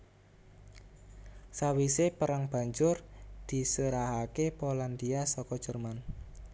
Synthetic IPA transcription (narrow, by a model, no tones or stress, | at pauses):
sawisepəɾaŋb̥a̤ɲd͡ʒʊrd̪̥i̤suɾaɦakepoland̪iasɔkɔd̥ʒ̥ə̤rman